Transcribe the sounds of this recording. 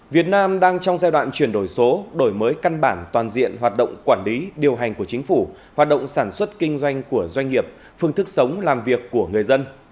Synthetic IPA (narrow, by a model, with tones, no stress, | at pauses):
vi˨˩ət̚naː˧mɗaː˧ŋt͡ɕɔ˧wŋ͡mzaː˧jɗwa̰ː˧˨nt͡ɕwi˧˩ənɗo˧˩jso˨˦ɗo˧˩jməː˨˦jka˧nɓaː˧˩nt̪waː˨˩nzḭ˧˨ənɦwaː˨˩t̚ɗə̰˧˨wŋ͡mkwaː˧˩nli˨˦ɗi˨˩əwɦa˨˩jŋ̟ku˧˩ət͡ɕï˨˦ŋ̟fu˧˩ | waː˨˩t̚ɗə̰˧˨ŋ͡msaː˧˩nswə˦˥t̚kï˧ŋ̟zwa˧jŋ̟ku˧˩əzwa˧jŋŋi˨˩əp̚ | fɨ˧əŋt̪ʰɨ˦˥k̚sə˨˦wŋ͡mlaː˨˩mvi˨˩əkːu˧˩əŋ˨˩əjzə˧n